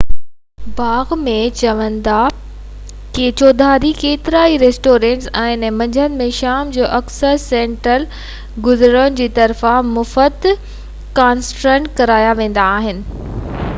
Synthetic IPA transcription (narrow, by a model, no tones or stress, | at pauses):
baːɣmẽt͡ɕɐʋə̃nd̪a | ket͡ɕoːd̪ʱaːɾikeːt̪ɪɾaːiɾeːsʈoːɾẽːɳʈsɛ̃ːnmɐ̃ɲd͡ʑʱənɪ̆mẽʃaːmd͡ʑoːʔɐksəɾsẽːɳʈəl | ɡʊzɾənɪ̆d͡ʑiːt̪ɐɾfãmʊfəd̪ | kaːnsʈɾə̃ɳʈkɐɾaːjaʋẽːn̆d̪aːɦɪnɪ̆